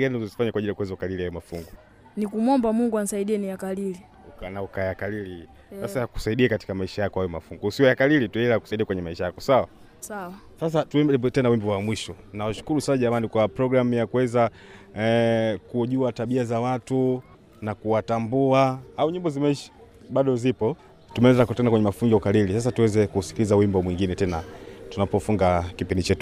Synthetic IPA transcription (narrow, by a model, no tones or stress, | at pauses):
ɡaniuzɔzifaɲakwaʄilijakwɛzaukalilihajɔmafṵŋɡu | nikumwɔmbamuŋɡuan̩isaiɗiɛnijakalili | ukanaukajakalili | sasaku̥saiɗiakati̥kamaiʃajakɔhajɔma̰fuŋɡɔusiɔjakalilituɛɛlaku̥saiɗiakwɛɲɛmaiʃajakɔsawa | sawa | sas̬atuɛbɛtɛnawimbiwamwiʃɔnawaʃu̥kuɾusasaʄamanikwapɾɔɡɾam̩jakuwɛza | kuʄuataɓiazawatu | nakuwatambuaauɲimbɔzimaiʃḁ | ɓaɗɔzipɔ | tumɛɛzakɔtɛnakwɛɲɛmafuŋɡiaukalilisas̬atuwɛzɛkusi̥kilizawimbɔmwiŋɡinɛtɛnatunapɔfuŋɡakipindit͡ʃɛtu